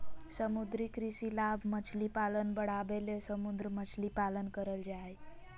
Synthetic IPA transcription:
səmud̪ɾikɾisilabʱmət͡ʃʰlipalənbəɽ̤abelesəmud̪ɾəmət͡ʃʰlipalənkəɾəld͡ʒae

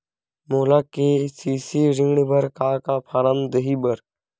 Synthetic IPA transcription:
moːlakesiːsiɾɪ̃ŋɡɽbʱəɾkakapʰaɾəmd̪əɦibəɾ

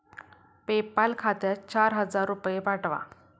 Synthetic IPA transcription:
pepalkʰat̪jat͡ɕaɾɦəd͡zaɾːupjepaʈʋa̰

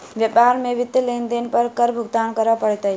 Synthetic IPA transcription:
ʋjəpaɾmeʋɪt̪ːəlend̪enpəɾkəɾbʱʊɡ̚d̪aːnkəɾəpəɽt̪əj

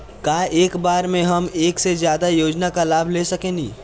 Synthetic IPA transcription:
kaːeːkbaːɾmẽɦɐmeːksezjaːd̪ajoːd͡ʒnakalaːbʱlesəkẽːnḭː

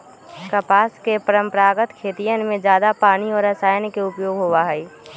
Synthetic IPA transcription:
kəpaːskepəɾə̃mpəɾaːɡət̪kʰeːt̪ijənmẽd͡ʒjaːd̪apaːñiɔːɾɐsaːjənkeʊpjoːɡɦoːʋaɦɛi

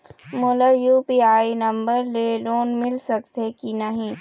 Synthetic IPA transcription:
molajuːpiːaːinɐ̃mbəɾleloːnmɪlsɐkt̪ekinɐɦĩː

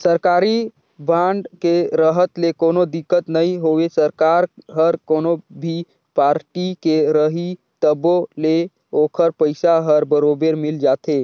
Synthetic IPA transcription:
səɾkaːɾi | bãːɳɖkeɾəɦət̪lekoːnod̪ɪkːət̪nəĩɦoːʋesəɾkaːɾɦəɾkoːnobʱi | paːɾʈikeɾəɦi | t̪əbole | oːkʰəɾpəɪsaɦəɾbəɾoːbeɾmɪld͡ʒaːt̪ʰeː

